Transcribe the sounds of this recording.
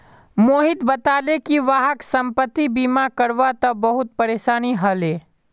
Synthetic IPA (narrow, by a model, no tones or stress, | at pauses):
moːɦɪt̪bət̪aːlekiʋaːɦəksə̃mpət̪ːibiːmakəɾʋat̪ɐbɐɦʊt̪̚pəɾeːʃaːniɦəleː